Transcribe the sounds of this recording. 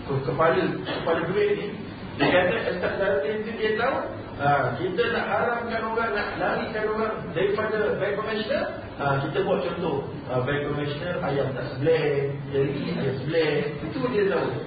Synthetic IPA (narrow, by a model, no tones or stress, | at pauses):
kokəpaləkəpaləɡəɾeʔ̚ni | dəkat̪əʔɛst̪aʔ̚daɾutint̪udiət̪au | akit̪ənaʔaɾamkanoɣaŋnaʔlaŋiʔkanoɣaŋ | daɾifadəbɛkomɛ̃snəl | akit̪əbuaʔ̚t͡ʃɔnt̪oh | bɛkomɛʃnəlʔajaŋt̪aʔsəblɛjaiiajasəblɛit̪udiət̪au